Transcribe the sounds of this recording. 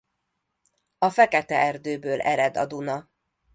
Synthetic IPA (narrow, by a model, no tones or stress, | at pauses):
ɒfɛkɛt̪ɛɛrd̪øːbøːlʔɛ̰ɾɛd̪ɒ̰d̪unɒ